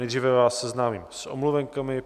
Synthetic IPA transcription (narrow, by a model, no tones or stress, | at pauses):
ɛjd̪rivɛvaːsːɛznaːmiːmsʔo̰mluvɛŋkamɪ